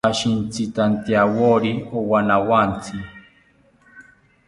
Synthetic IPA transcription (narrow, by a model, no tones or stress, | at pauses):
aʃint͡sʰit̪ant̪iawoɾiowanawant͡sʰi